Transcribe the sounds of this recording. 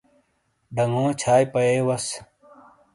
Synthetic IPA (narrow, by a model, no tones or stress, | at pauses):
ɖʱəŋɡõːt͡ɕʰaːjpəeːwɐs